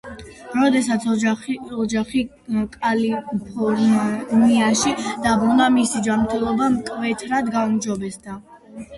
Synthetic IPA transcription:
ɾɔd̪ɛsat̪sʰɔɔd͡ʒaχi | kʼalipʰɔɾniaʃid̪̥abɾunamisid͡ʒamɾt̪ʰɛlˠɔbamkʼvɛt̪ʰɾad̪ɡaumd͡ʒɔbɛsd̪a

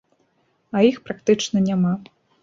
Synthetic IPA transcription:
ɐjixpɾakt̪ɨt͡ʂnɐnʲama

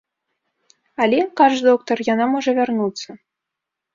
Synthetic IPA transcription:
alʲekɑʐd̪ok̚t̪orjɑnɑmoʐəvʲarnut̪sə

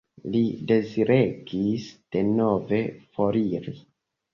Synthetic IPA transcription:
lide̞ziɾeɡisd̥e̞no̞ve̞fo̞ɾiɾi

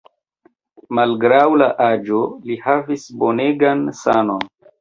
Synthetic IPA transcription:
malɡɾawlaʔad͡ʒo̞lihavisbo̞neɡansano̞n

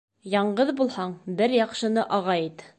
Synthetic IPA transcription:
jɑɴɢɤðbulˠhɑɴbɘɾjɑqʃɤ̆nɤʔɑʁɑjit̪

